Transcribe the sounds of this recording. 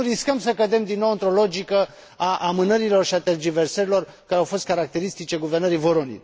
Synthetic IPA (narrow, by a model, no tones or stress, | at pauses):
uɾiskəmsəkəd̪e̞md̪inːo̞wɨnt̪ɾo̞lod͡ʒikə | aʔamɨnəɾilo̞rʃiat̪erd͡ʒiversəɾilo̞r | kaɾeawfo̞st̪̚kaɾak̚t̪e̞ɾist̪it͡ʃe̞ɡuvernəɾijvoɾonḭ